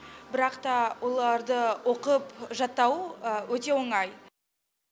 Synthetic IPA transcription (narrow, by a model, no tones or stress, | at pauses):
bɪɾɑqt̪ɑwʔo̞lˠɑɾd̪əwʔo̞qəpʒɑt̪ːɑwəwɵt̪e̞wo̞ɴɑj